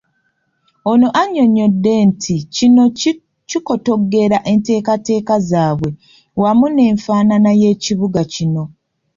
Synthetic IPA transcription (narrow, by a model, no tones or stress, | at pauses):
ono̞ʔaɲo̞ɲo̞dːe̞ntʰicino̞ | ciko̞to̞ɡe̞ɾaʔe̞nte̞ːkate̞ːkazaːβwe̞ | wamune̞ːɱfaːnanaje̞ːciβuɡacino̞